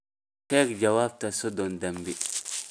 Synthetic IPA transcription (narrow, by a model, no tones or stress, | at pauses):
tɛkd͡ʒawaːb̚tasodɔndambi